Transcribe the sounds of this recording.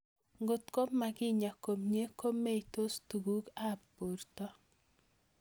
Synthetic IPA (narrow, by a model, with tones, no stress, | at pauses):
ŋɡo˨t̪ko˦pma˨ɡɪ˦ɲa˨ko˨mɲe˦ko˦me˦ito˦stu˨ɡu˦ka˦po˨ɾtɔ˦